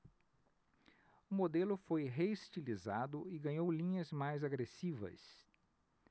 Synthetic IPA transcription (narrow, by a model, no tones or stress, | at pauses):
ʊmod̪elʊfojɦeist͡ʃilizad̪ʊɪɡɐ̃ɲowlĩɲɐzmajzaɡɾesivɐ̰s